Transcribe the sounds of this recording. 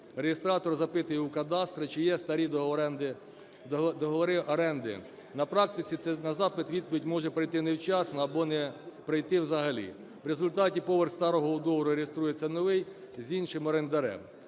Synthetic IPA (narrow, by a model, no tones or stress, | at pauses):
ɾeɦest̪ɾɑt̪ɔrzɐpɪt̪ʊjɛukɐd̪ɑst̪ɾɪt͡ʃɪjɛst̪ɐɾʲid̪ɔɛnd̪ɪ | d̪ɔɦɔʋɔɾɪʔɐɾɛnd̪ɪ̰ | nɐpɾɑk̚t̪ɪt͡sʲit̪ɛnɐzɑpɪt̪ʋʲid̪̚pɔʋʲitʲmɔʒɛpɾɐjt̪ɪnewt͡ʃɑsnɔɐbɔnɛpɾɪjt̪ɪwzɐɦɐlʲḭ | ʋɾezʊlʲt̪ɑtʲipɔʋerxst̪ɑɾɔɦɔʊd̪ɔʋɔɾʊɾʲeɦest̪ɾujet͡sʲːɐnɔʋɪj | zʲinʃɪmɔɾend̪ɐɾɛ̰m